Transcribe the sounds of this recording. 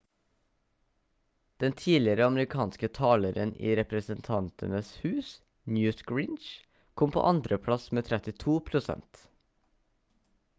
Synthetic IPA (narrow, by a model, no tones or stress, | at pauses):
d̪̥ɛnt̪ʰiːlɪəɾəɑməɾɪkʰɑːnskət̪ʰɑːləɾənḭːɾɛpɾəsənt̪ʰɑnt̪ʰə̰nəshʉːs | njʉːskɹiːnʃ | kʰɔmpʰo̰ːʔɑnd̪ɾəpʰɽɑsmeːt̪ʰɾɛt̪ɪt̪ʰuːpʰɾʊsɛ̰nt̪